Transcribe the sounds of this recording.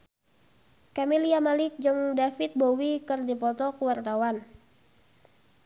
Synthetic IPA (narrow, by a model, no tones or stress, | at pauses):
kamiliamalɪk̚d͡ʒɨŋdafɪt̪̚bowikɨrdipɔt̪ɔkuwart̪awan